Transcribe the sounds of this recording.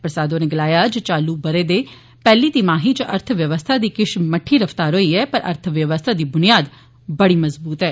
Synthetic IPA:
pɾəsaːd̪õːneːɡəlaːjaːd͡ʒət͡ʃaːluːbəɾeːd̪eː | pɛːliːt̪imaːɦiːt͡ʃəʔəɾt̪ʰʋjəʋəst̪ʰaːd̪iːkɪʃməʈʰːiːɾəfʰt̪aːɾɦoːiːɛːpəɾʔə̰ɾt̪ʰʋjəʋəst̪ʰaːd̪iːbʊnɪjaːd̪ | bəɽiːməzbuːt̪ɦɛː

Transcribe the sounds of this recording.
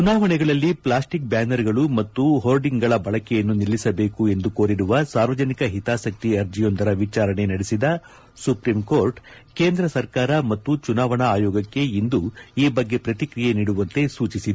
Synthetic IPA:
t͡ʃunaːʋɐɳɛɡɐɭɐlːipɭaːsʈik̚baːnɐɾɡɐɭumɐt̪ːuɦoːɾɖiŋɡɡɐɭɐbɐɭɐkɛjɐnːunilːisɐbe̞ːkue̞nd̪uko̞ːɾiɾuʋɐsaːɾʋɐd͡ʒɐnikɐɦit̪aːsɐk̚t̪iɐɾd͡ʒijo̞nd̪ɐɾɐʋit͡ʃaːɾɐɳe̞nɐɽesid̪ɐ | supɾimkoːɾʈke̞ːnd̪ɾɐsɐɾkaːɾɐmɐt̪ːut͡ʃunaːʋɐɳɐaːjɔːɡɐkːe̞ind̪uiːbɐɡːe̞pɾɐt̪ikɾijeniːɽuʋɐnt̪e̞suːt͡ʃisid̪

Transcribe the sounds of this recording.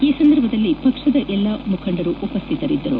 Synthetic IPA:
iːsɐnd̪ɐɾbʱɐd̪ɐlːipɐkʂɐd̪ɐʔɛlːɐmukʰɐɳɖɐɾuʔupɐst̪ʰit̪ɐɾid̪ːɐɾṵ

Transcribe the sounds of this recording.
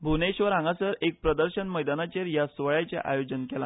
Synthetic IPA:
bʱuneɕʋəɾãŋɡasəɾek̚pɾəd̪əɾɕənməjd̪anat͡ɕeɾjasʋəɭajt͡ɕḛʔa̰jod͡ʑənkɛla̰

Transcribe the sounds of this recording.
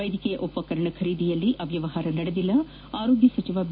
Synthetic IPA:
ɐjd̪ʱikɛjɐʔopːɐkɐɾɐɳɐkʰɐɾiːd̪ʱijɐlːiʔɐʋjɐʋɐɦaːɾɐnɐɽɐd̪ilːɐ | aːɾo̞ːɡjɐsɐt͡ʃiʋaːb

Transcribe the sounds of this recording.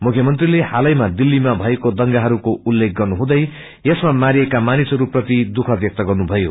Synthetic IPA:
mukʰjʌmʌnt̪rilehalʌjmad̪ilːimabʱʌekod̪ʌŋɡaɦʌɾukoulːek̚ʰɡʌrnuɦũd̪ʌj | jʌsmamaɾijekamanisɦʌɾuprʌt̪id̪ukʰʌbʱjʌk̚t̪ʌɡʌrnubʱʌjo

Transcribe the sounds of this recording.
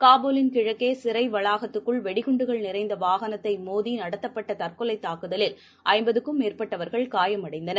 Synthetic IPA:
kaːboːlɪnkɪɻɐkːeːsɪɾɐɪʋɐɭaːɣɐt̪ːɯkːɯɭʋɛɽɪɣɯɳɖɯɣɐɭnɪɾɐɪnd̪ɐʋaːɣɐnɐt̪ːɐɪmoːðinɐɽɐt̪ːɐpːɐʈːɐt̪ɐrkɯlɐɪt̪ːaːkɯðɐlɪl | ʔɐɪmbɐðɯkːɯmeːrpɐʈːɐʋɐɾɣɐɭkaːjɐmɐɽɐɪnd̪ɐnɐɾ

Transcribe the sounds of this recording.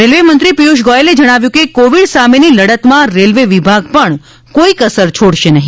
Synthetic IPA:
ɾelʋemənt̪ɾipijuʃɡɔjeled͡ʒəɽ̃aʋjũkekoʋiɽsameniləɽət̪mãɾelʋeʋibʱaɡpəɳ | koikəsəɾt͡ʃʰoɽʃenəɦĩ

